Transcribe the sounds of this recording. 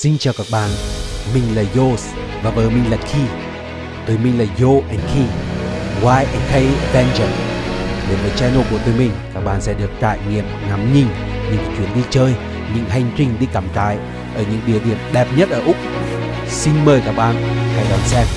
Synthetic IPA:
sï˧ŋ̟t͡ɕaː˨˩wkaː˧˥k̚ɓa̰ː˧˨nmï˨˩ŋ̟laː˨˩zo˧s | vaː˨˩vəː˨˦jmï˨˩ŋ̟lə˨˩t̚xʰi˧ | t̪u˨˦jmï˨˩ŋ̟laː˨˩jo˧ʔɛ˨˧˩ŋxʰi˧ɣwaː˧jʔɛ˨˧˩ŋxə˧jvɛ˧nt͡ɕə˨˩ɗe˨˦mvəː˨˩t͡ɕɛ˧no˧˩ku˧˩t̪u˨˦jmï˨˩ŋ̟kaː˦˥k̚ɓa̰ː˧˨nsɛ̰˧˥ɗɨ˨˩ək̚t̪a̰ː˧˨jŋḭ˧˨əmŋa˨˦mɲï˧˩ŋ | ɲɨ̰˧˥ŋt͡ɕ̪wi˨˧˦ənɗi˧t͡ɕəː˧j | ɲɨ̰˧˥ŋɦa˧jŋ̟t͡ɕï˧ŋ̟ɗi˧kaː˨˩mt̪a̰ː˧˨j | ʔəː˧˩ɲɨ̰˧˥ŋɗi˨˩əɗḭ˨˧˨ənɗɛ˨˩p̚ɲə˦˥t̚ʔəː˧˩ʔʊ˦˥k͡p̚ | si˧ŋ̟məː˨˩jkaː˧˥k̚ɓaː˧˨nha˧jɗɔ˨˧˩nsɛ˧m

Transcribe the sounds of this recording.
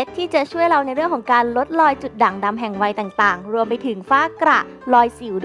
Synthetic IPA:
e˦˥t̪ʰːiː˥˩t͡ɕa˨˩t͡ɕʰu˥˩əjɾa˧wna˧jɾɯ˥˩əŋkʰɔː˩˦ŋkaː˧nlo˦˥t̪̚lɔː˧jt͡ɕu˨˩t̪̚da˨˩˦ŋda˧mɦɛ˨˩ŋwa˧jt̪aː˨˩ŋt̪aː˨˩ŋɾu˧əmpa˧jt̪ʰɯ˩˦ŋfaː˥˩kɾa˨˩ | lɔː˧jsiː˨˩˦w

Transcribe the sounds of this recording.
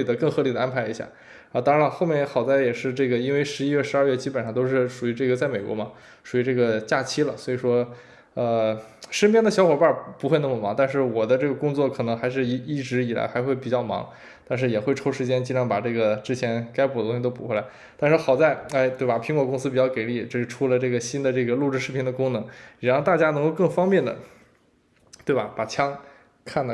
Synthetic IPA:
i˨˩d̪ə˦kɤ˥˩ŋxɤ˧˥li˨˩d̪ə˩˧a˥npʰa˧˥ɪi˧˥ɕja̰˥˩ | a˧˥t̪ɑ˥ŋɻa˧˥lxo˥˧ʊmjɛ˥˩ŋjxɑ˨˩ʊt͡sa˥˩ɪjɛ˨˩ʂɻ̩˥˧ʈ͡ʂɤ˥˩ɡə˩i˥nwe˥˩ɪʂɻ̩˧˥i˥ɥɛ˥˩ʂɻ̩˧˥ɐ˞˥˧ɥɛ˥˩t͡ɕi˥pə˨˩nʂɑ˥˧t̪o˥ʊʂ̬ɻ̩˥˩ʂu˨˩y˧˥ʈ͡ʂɤ˥˩ɡə˩t͡sa˥˩ɪme˨˩ɪkwɔ̰˧˥mɐ˧ | ʂu˨˩y˧˥ʈ͡ʂɤ˥˩ɡə˩t͡ɕja˥˩t͡ɕʰi˥lə̰˨swɔ˧˥i˨˩ʂwɔ˥ | ə˧ | ʂə˥npjɛ˥˩nd̪ə˨ɕjɑ˥xwɔ˨˩pa˞˥˩pu˧˥xwe˥˧na˥˩mə˨˩mɑ˧˥ŋt̪a˥˧nʂɻ̩˥˩wɔ˨˩d̪ə˦ʈ͡ʂɤ˥˩ɡə˩kʊ˥ŋt͡swɔ˥˩kʰɤ˨˩nɤ˧˥ŋxa˧˥ɪʂ̬ɻ̩˥˧i˧˥i˥˩ʈ͡ʂɻ̩˧˥i˨˩la̰˧˥ɪxa˧˥ɪxwe˥˩ɪpi˨˩t͡ɕjɑ˥˩ʊmɑ̰˧˥ŋ | t̪a˥˧nʂ̬ɻ̩˥˩jɛ˨˩xwe˥˩ɪʈ͡ʂʰo˥ʊʂɻ̩˧˥t͡ɕjɛ˥nt͡ɕi˥ʈ͡ʂʰɑ˧˥ŋpa˨˩ʈ͡ʂɤ˥˩ɡə˩ʈ͡ʂɻ̩˥t͡ɕʰjɛ˧˥nka˥ɪpdə˩t̪ʊ˥ɕi˧˩t̪o˥ʊpu˨˩xe˥˩ɪla˧˥ɪ | t̪a˥˧nʂɻ̩˥˩xɑ˨˩ʊt͡sa˥˩ɪa˥˩ɪt̪we˥˩ɪbɐ˨˩pʰi˧˥ŋwɔ˥˩kʊ˥ŋs̬ɹ̩˥pi˨˩t͡ɕjɑ˥˩ʊke˨˩ɪli˥˩t͡ɕo˥˧ʂɻ̩˥˩ʈ͡ʂʰu˥lə˧ʈ͡ʂɤ˥˩ɡə˩ɕi˥nd̪ə˨ʈ͡ʂɤ˥˩ɡə˩lu˥˧ʈ͡ʂɻ̩˥˧ʂɻ̩˥pʰɛ˥nd̪ə˧kʊ˥ŋnɤ˧˥ŋɻa˧˥xʊt̪a˥˩t͡ɕja˥n˧˥ŋko˥˧ʊkɤ˥˩ŋfɑ˥ŋpjɛ˥˩nd̪ə̰˩ | t̪we˥˩ɪbɐ˩pa˨˩t͡ɕʰjɑ˥ŋ | kʰa˥˩nd̪ə˩

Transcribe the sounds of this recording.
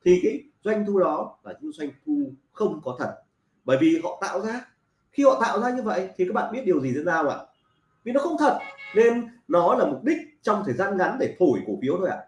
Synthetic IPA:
t̪ʰi˨˩kaː˨˦j | zwa˧jŋ̟t̪ʰu˧ɗɔ˨˦laː˨˩t͡ɕʊ˧˦ŋzwa˧jŋ̟t̪ʰu˧ | xə˧wŋ͡mkɔ˨˦t̪ʰə˨˩t̚ | ɓəː˧˩jvi˨˩ɦɔ̰˧˨t̪a̰ː˧˨wzaː˧ | xi˧hɔ̰˧˨t̪a̰ː˧˨wzaː˧ɲɨ˧və̰˧˨jt̪ʰi˨˩kaː˦˥k̚ɓa̰ː˧˨ɓt̚ɗəwzi˨t̪ḭ˧˨˥naː˧˩wa̰ː˧˨ | vi˨˩nɔ˨˦xə˧wŋ͡mt̪ʰə˨˩t̚ne˧nnɔ˨˦laː˨˩mʊ˨˩k͡p̚ɗï˦˥k̚t͡ɕɔ˧wŋ͡mt̪ʰəː˨˩jzaː˧nɣa˨˦nɗe˧˩fo˧˩jko˧˩fi˨˦wt̪ʰo˧jʔa̰ː˧˨

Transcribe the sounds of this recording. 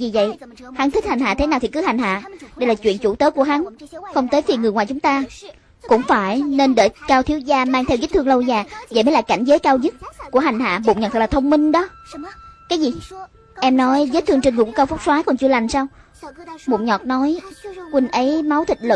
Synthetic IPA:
zi˨˩və̰˧˨j | ha˨˦nt̪ʰi˦˥ha˨˩ŋ̟ɦa̰ː˧˨˩t̪ʰe˨˦naː˨˩wt̪ʰi˨˩kɨ˨˦ha˨˩jŋ̟ɦa̰ː˧˨ɗə˧jlaː˨˩t͡ɕwḭ˧˨ənt͡ɕu˧˩t̪əː˨˦ku˧˩əɦa˨˦nxə˧wŋ͡mt̪əː˨˦jfi˧˩ŋ˨˩jŋwaː˨˩t͡ɕʊ˨˦ŋ͡mt̪aː˧ | kʊ̰˧˥ŋ͡mfaː˧˩jne˧nɗə˧˩kaː˧wt̪ʰi˨˦əwzaː˧maː˧ŋt̪ʰɛ˧wzəː˦˥t̚t̪ʰɨ˧əŋlə˧wzaː˨˩və̰˨˧˨jmə˨˦jlaː˧˨˩jka̰˧˩ŋ̟zəː˨˦jkaː˧wzɨ˦˥t̚ku˧˩əɦa˨˩jŋ̟ɦa̰ː˧˨ɓo̰˧˨ŋ͡mɲə˨˩t̪ʰːk̚lːaː˨˩ə˧wŋ͡mmï˧ŋ̟ɗɔ˨˦ | kaː˨˦jzi˨˩ | ʔɛ˧mnɔ˨˦jzəː˦˥t̪̚ʰɨ˧əŋt͡ɕnŋɨ˨˩ku˧˩˦kaː˧wfʊ˦˥k͡p̚swaː˨˦jkɔ˨˩nt͡ɕɨ˧əla˨˩jŋ̟saː˧w | mo̰˧˩ŋ͡m̚ɲɔ˨˩t̚nɔ˨˦jkwï˧ŋ̟ʔə˨˦jma˨˦wt̪ʰï˨˩t̚lɨ̰˧

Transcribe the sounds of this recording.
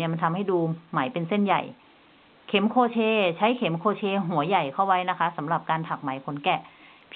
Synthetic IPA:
ɐma˧nt̪ʰa˧mha˥˩jduː˧ma˩˦jpe˧nse˥˩nja̰˨˩j | kʰe˨˩˦mkʰoː˧t͡ɕʰeː˧t͡ɕʰa˦˥jkʰe˩˦mkʰoː˧t͡ɕʰeː˧ɦu˩˦ɐja˨˩jkʰa˥˩wa˦˥jna˦˥kʰa˦˥sa˩˦mɾa˨˩p̚kaː˧nt̪ʰa˨˩k̚ma˨˩˦jkʰo˩˦nkɛ˨˩ | pʰ

